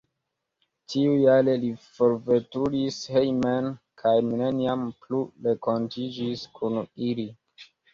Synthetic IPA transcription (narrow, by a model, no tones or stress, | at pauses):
tʰiujalelifo̞ɾvetuɾishejmen | kʰajmineniampluɾe̞kontid͡ʒiskʰunili